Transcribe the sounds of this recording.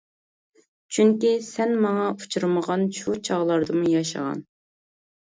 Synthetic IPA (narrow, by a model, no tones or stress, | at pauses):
t͡ʃʰyŋkʲisɛnmɑŋɑu̥t͡ʃʰuɾməʁɑnʃut͡ʃʰɑʁlˠɑɾd̪ɨmujɑʃə̰ʁɑ̰n